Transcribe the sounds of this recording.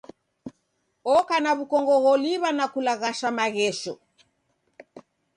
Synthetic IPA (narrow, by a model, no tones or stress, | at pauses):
ɔkanaβukɔŋɡɔɣɔliβanakulaɣaʃamaɣɛʃɔ